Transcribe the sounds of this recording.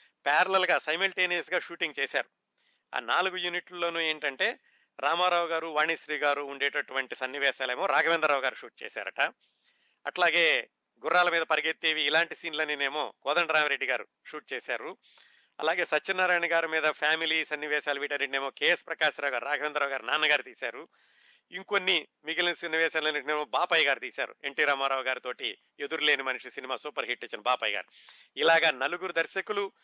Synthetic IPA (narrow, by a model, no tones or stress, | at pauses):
pɛːɾɐlɐlɐɡaːsɐjmɐlʈeːneːsɡaːʃuːʈiŋɡt͡ʃeːsa̰ːɾu | a̰ːnaːluɡujuniʈllo̞ːnueːɳʈɐɳʈe̞ː | ɾaːmaːɾaːʋuɡaːɾuʋaːɳiʃɾiːɡaːɾuːɳɖeːʈɐʈuʋɐɳʈisɐnːiʋɛːʃaːleːmo̞ːɾaːɡʱɐʋend̪ɐɾaːwɡaːɾuʂuːʈ̚t͡ʃɛ̰ːsa̰ːɾɐ̰ʈɐ | ɐʈlaːɡe̞ː | ɡuɾːaːlɐmiːd̪ɐpɐɾiɡet̪ːeːʋiːlaːɳʈisiːnlɐːnineːmo̞̰ːkɔːd̪ɐɳɖɐɾaːmɐɾe̞ɖːiɡaːɾṵ | ʃuːʈ̚t͡ʃeɛːsaːɾu | ɐ̰laːɡe̞ːsɐtːt͡ʃːinːɐɾaːjɳɐɡaːɾumiːd̪ɐpʰaːmilisɐnːiʋɛːʃaːlɐʋiːʈɐnːiʈineːmoːkeːspɾɐkaːʃɐɾaːwɡaːɾuɾaːɡʰʱɐʋend̪ɾaːʋuɡaːɾinaːnːɐɡaːɾut̪iːsaːɾu | iŋkonːi | miɡilɐnsɐnːiʋɛːʃaːnlɐnːiʈneːmoːbaːpɐjɡaːɾut̪iːsa̰ːɾṵe̞̰ɳʈiːɾaːmaːɾaːwɡaːɾit̪oːʈi | ed̪uɾule̞ːnimɐniʂisinimaːsuːpɐɾɦiʈːet͡ʃːɐnbaːpɐjɡa̰ːɾu | ilaːɡaːnɐluɡuɾud̪ɐɾʃɐkulu